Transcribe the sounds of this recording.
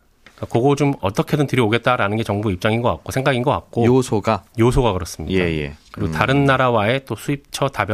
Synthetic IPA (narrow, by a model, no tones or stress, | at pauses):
kakoɡot͡ɕomʌt͈ʌkʰe̞dɯntɯɾjʌoɡe̞t̚t͈aɾanɯnɡe̞t͡ɕʌŋbuip̚t͡ɕ͈aŋinɡʌka̰k̚k͈osʰe̞ŋɡaɡinɡʌk͈a̰k̚k͈ojosʰoɡajosʰoɡakɯɾʌs͈ɯmɲḭdeajḛkɯɾiɡotaɾɯnːaɾawae̞t͈osʰuip̚t͡ɕʰʌtabjʌ